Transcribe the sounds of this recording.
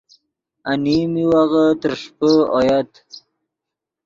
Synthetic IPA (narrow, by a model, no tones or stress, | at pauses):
animiwaɣat̪əɾʂpəojat̪